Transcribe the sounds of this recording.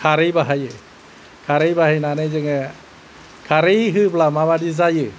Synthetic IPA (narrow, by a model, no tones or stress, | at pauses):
kʰaɾɯjbaɦajɯ | kʰaɾejbaɦajnanejzɛŋɛ | kʰaɾejɦɯblamaβadizajɯ